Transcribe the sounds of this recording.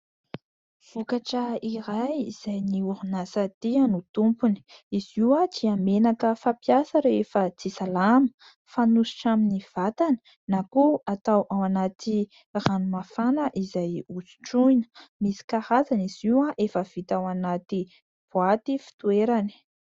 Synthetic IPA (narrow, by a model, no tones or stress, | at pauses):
v̥ukaʈ͡ʂəiɾajiz̥ajniuɾunasat̪iənut̪umpuni̥iziwat͡siamenakəfapiasaɾefət͡sisalamə̥ | fanusi̥ʈ͡ʂaminiv̥at̪anə̥ | nakuat̪awʔawanat̪i | ranumafanəʔizajuzu̥ʈ͡ʂujnə̥misi̥kahazaniz̥iwaʔefəv̥it̪awanat̪i | b̥uat̪ifi̥t̪ueɾani̥